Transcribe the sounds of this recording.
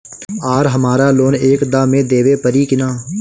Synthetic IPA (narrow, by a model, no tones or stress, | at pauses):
aːɾɦəmaːɾaːloːneːkd̪ãːmẽːd̪eːʋeːpəɾiːkɪnaː